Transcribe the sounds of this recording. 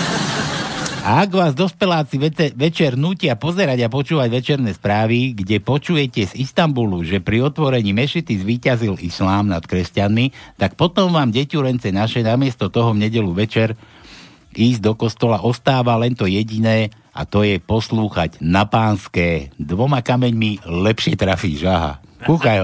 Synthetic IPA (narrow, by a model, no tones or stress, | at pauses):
aaɡʋaːzd̪ɔspɛlaːt͡siʋɛt͡ʃɛɾnuːcɪapɔzɛɾaɟapɔt͡ʃuːʋaɟʋɛt͡ʃɛɾnɛːspɾaːʋiɡɟɛpɔt͡ʃujɛcɛzist̪ambuluʒɛpɾiɔt̪ʋɔɾɛɲiːmɛʃit̪izʋiːcazilislaːmnat̪kɾɛscanmit̪ak̚pɔt̪ɔmʋaːmɟɛcuɾɛnt͡sɛnaʃɛnamɪɛst̪ɔt̪ɔɦɔvɲɛɟɛluʋɛt͡ʃɛɾ | iːzɟd̪ɔkɔst̪ɔlaʔɔst̪aːʋalɛnt̪ɔjɛɟinɛː | a̰t̪ɔjɛpɔsluːxaɟnapaːnskɛːd̪ʋɔmakamɛɲmilɛpʃɪɛt̪ɾafḭːʒaɦa̰kuxa